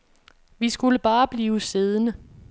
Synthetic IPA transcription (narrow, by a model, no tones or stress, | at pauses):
ʋisɡ̥uləb̥ɑ̈ːb̥liːʊse̝ð̞ˠənə